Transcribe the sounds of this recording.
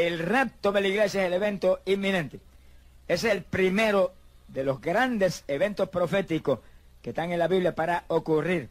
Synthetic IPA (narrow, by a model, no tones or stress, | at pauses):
elrep̚t̪oðe̞laiɣle̞sjaeseleβẽ̞nt̪oimːĩnẽ̞nt̪e | e̞seelpɾime̞ɾo | ðe̞lo̞zɡɾand̪e̞se̞βe̞nt̪o̞spɾo̞fe̞t̪iko̞s | ke̞ht̪aŋe̞nlaβiβljapaɾaokuriɾ